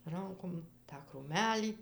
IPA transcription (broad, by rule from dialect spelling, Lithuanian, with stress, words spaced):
ˈrɐŋkoːm tɑː kruːˈmʲæːlʲiː